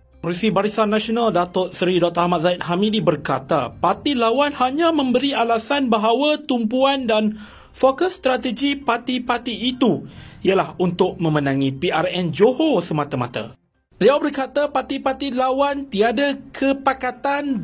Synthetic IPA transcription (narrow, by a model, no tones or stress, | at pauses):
polisibaɾisanːãsonãldat̪ɔʔsəɾidɔt̪ahmat̪̚zaɪt̪̚ɦamidibərkat̪apat̪ilawanhaɲãmə̃mbəɾialasanbaɦawat̪umpuandan | fokəsːt̪ɾat̪əd͡ʒipat̪ipat̪iːt̪uialahunt̪ʊk̚mə̃mə̃nãŋĩpiʔarɛnd͡ʒohosəmãt̪amãt̪a̰ | b̥əliawbərkat̪apat̪ipat̪ilawant̪iadakʰəpakat̪an